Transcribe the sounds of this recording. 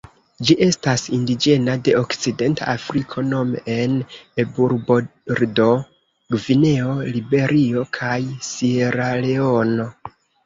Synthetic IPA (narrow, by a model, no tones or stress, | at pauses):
d͡ʒiʔe̞stasindid͡ʒe̞nade̞okt͡side̞nta̰afɾikʰo̞no̞meenebuɾboɾdo̞ | ɡvine̞o̞libe̞ɾʔio̞kʰajsieɾaleo̞no̞